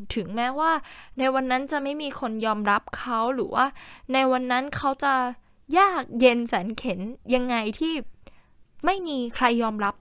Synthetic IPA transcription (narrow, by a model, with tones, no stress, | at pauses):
t̪ʰɯ˩˦ŋmɛː˦˥waː˥˩na˧jwa˧nːa˦˥nt͡ɕa˨˩ma˥˩jmiː˧kʰo˧njɔː˧mɾa˦˥p̚kʰa˦˥wɾɯː˩˦waː˥˩na˧jwa˧nːa˦˥nkʰa˦˥wt͡ɕa˨˩ | jaː˥˩k̚je˧nsɛː˩˦nkʰe˩˦nja˧ŋːa˧jt̪ʰiː˥˩ | ma˥˩jmiː˧kʰɾa˧jːɔː˧mɾa˦˥p̚